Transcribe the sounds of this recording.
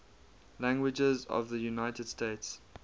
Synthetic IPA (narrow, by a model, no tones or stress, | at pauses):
læ̃ŋɡwɪd͡ʒəzɔ̰vðəjunaɪtəd̥stʰeɪts